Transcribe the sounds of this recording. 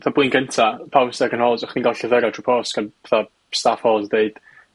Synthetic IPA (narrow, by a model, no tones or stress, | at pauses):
θablinɡəntʰapʰawsɛɡənhɔːzɔχniŋɡɔɬəðəɾatʰrupʰɔːskənɛθa | stafhɔːzdeɨd̥